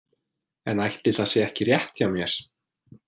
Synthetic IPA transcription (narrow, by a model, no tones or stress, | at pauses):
ɛnajht̪ʰːɪlθasjɛɛhcɪrjɛht̪çawmjɛɾ̥